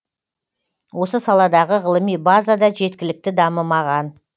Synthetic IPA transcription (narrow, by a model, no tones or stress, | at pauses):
wo̞səsɑlˠɑd̪ɑʁəʁəlˠəmijbazad̪ɑʒe̞t̪kʲɪlɪk̚t̪ɪd̪ɑməmɑʁɑn